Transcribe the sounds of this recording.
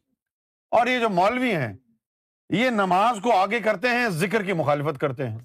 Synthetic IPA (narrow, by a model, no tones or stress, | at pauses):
ɔːɾjed͡ʒoːmɔːlʋiɦɛ̰̃ː | jenɐmaːzkoaːɡekɐɾt̪eɦɛ̃szɪk̬əɾkimʊxaːlɪfət̪̚kɐɾt̪eɦɛ̃ː